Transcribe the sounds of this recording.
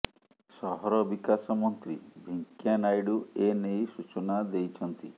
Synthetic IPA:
sɔɦɔɾɔbikasɔmɔnt̪ɾibʱiŋkjanajɽuenejsut͡ʃɔnad̪ejt͡ʃʰɔnt̪i

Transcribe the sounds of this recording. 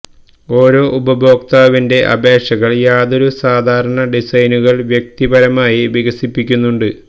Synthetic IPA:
o̞ːɾo̞ːʔubɐbo̞ːk̚t̪aːʋinde̞ʔɐ̰bʱe̞ːʂɐɣɐɭjaːðoɾusaːd̪ʱaːɾɐɳɐɖisɐjnuɣɐɭʋjek̚t̪ibɐɾɐmaːjiʋiɣɐsipːikʲːunːuɳɖɨ

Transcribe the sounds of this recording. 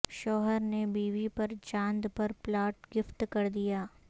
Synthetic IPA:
ʃɔːɦəɾnebiːʋipɐɾt͡ʃãːnd̪pɐɾplaːʈɡɪft̪kɐɾd̪ijaː

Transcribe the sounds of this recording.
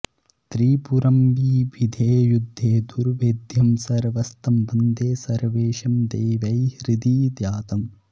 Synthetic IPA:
t̪ɾiːpuɾɐmbiːʋid̪ʱeːjud̪ʱːeːd̪uɾʋeːd̪ʱjɐmsɐɾʋɐst̪ɐmbɐnd̪eːsɐɾʋeːʃɐmd̪eːʋɐjhɾid̪iːd̪jaːt̪ɐm

